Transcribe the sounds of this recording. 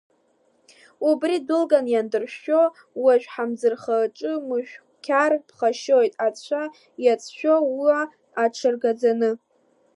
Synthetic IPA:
ubridɨlɡʼanjandɨrʃo̞ | waʒᶣħamd͡zɨrχaʈ͡ʂʼɨmɨʃᶣ | kʲʰarpʰχaʃojtʼat͡sʷʰa | jat͡sʰʃʷᶣowiaː | ʈ͡ʂʰɨrɡad͡zanɨ

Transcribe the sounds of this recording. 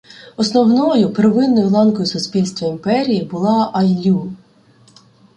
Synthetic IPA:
ɔsnɔwnɔjʊpɾeʋɪnːɔjʊlˠɑnkɔjʊsʊspʲilʲst̪ʋɐimpɛɾʲijibʊlˠɑʔɐjlʲu

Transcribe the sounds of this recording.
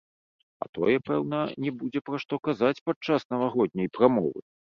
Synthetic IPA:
ɐ̰t̪ɔ̰jɛpɛwn̪ɐnʲɛbud͡zʲɛpɾaʂt̪ɔkazat͡sʲpat͡ʂːasn̪ɐvaɣɔd̪̚ʲnʲɐjpɾamɔ̰vɨ̰

